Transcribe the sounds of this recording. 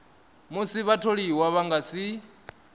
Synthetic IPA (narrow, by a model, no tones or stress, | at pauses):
musiβatʰoɺiwaβaŋɡasi